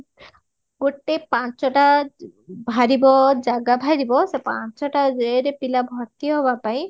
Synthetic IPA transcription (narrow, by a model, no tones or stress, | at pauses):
ɡoʈepãt͡ʃɔʈa | bʱaɾibɔd͡ʒaɡabʱaɾibɔsepa̰t͡ʃɔʈad͡ʒeɾepilabʱɔɾt̪iɔɦɔbapaĩ